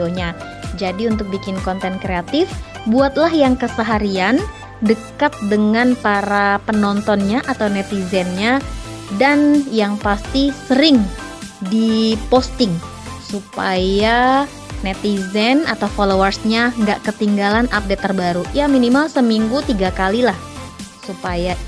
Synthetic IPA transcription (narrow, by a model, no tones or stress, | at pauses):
oɲa | d͡ʒadiunt̪ʊk̚bikɪnkɔnt̪ɛnkɾeat̪ɪfbuat̪̚lahjaŋkəsəɦaɾian | dəkat̪̚dəŋanpaɾapənɔnt̪ɔnɲaʔat̪awnɛt̪izɛnɲadanjaŋpast̪isəɾɪŋ | dipost̪ɪŋ | supaja | nɛt̪izɛnat̪awfolowərsɲaŋɡaʔkət̪iŋɡalanap̚det̪ːərbaɾujaminimalsəmiŋɡut̪iɡakalilahsupaja